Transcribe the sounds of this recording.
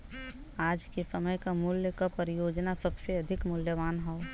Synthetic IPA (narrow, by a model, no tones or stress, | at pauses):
aːd͡ʒkisəməjkamʊljəkapəɾɪjoːd͡ʒnasəbseɐd̪ʱɪkmʊljəʋaːnɦɛː